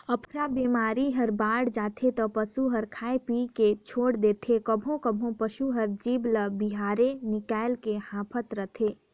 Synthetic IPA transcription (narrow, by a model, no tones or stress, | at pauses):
əpʰɾabiːmaːɾiɦəɾbaːɽd͡ʒaːt̪ʰet̪ɔpəsuɦəɾkʰaːepiːket͡ʃʰoːɽd̪eːt̪ʰekəbʱõkəbʱõpəʃuɦəɾd͡ʒiːbləbɪɦaːɾenɪkaːɪlkehãːpʰət̪ɾət̪ʰeː